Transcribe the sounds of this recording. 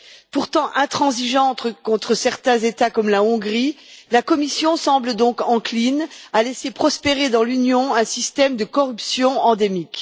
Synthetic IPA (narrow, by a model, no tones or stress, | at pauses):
puʁt̪ɑ̃ʔɛ̃t̪χɑ̃ziʒɑ̃t̪əkɔ̃t̪χəsɛʁt̪ɛ̃zet̪akɔmlaɔ̃ɡʁilakɔmisjɔ̃sɑ̃bləd̪ɔ̃kɑ̃klinalesepχɔspeʁed̪ɑ̃lynjɔ̃ɛ̃sist̪ɛmd̪əkɔʁypsjɔ̃ɑ̃d̪emik